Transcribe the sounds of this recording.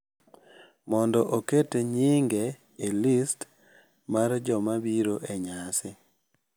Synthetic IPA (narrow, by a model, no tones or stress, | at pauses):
mɔndɔʔoketeɲiŋɡeː | list | mard͡ʒɔmabiɾoʔeɲasɪ